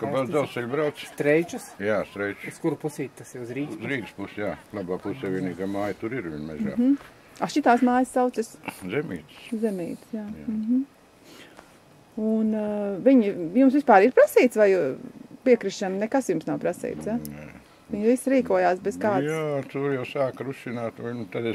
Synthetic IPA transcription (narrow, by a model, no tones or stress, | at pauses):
kabɛzalˠsɛʎʲbɾaw̪sst̪ɾɛjt͡ʃusjaːst̪ɾɛjt͡ʃuskuɾupusiːt̪t̪asɪuzɾiːuzɾiːɡspusjaːlˠɑbaːpusɛːʋiɛniːɡaːmaːjt̪uɾiɾʋiɲmɛ̰za̰ː | aʃit̪aːsmaːjssaʊt̪sɪszɛmḭːt̪szɛmiːt̪sjaːɦm̩ | unviɲjumsʋispaːɾiɾpɾasiːt̪sʋajpiɛkɾiʃʃamnɛkasjumsnawpɾasḭːt̪sja | ʋiɲʋisɾiːkuɔjaːsbɛz̥kaːd̪jaːt̪uɾjaʊsaːkɾuʃinaːt̪ant̪ad̪es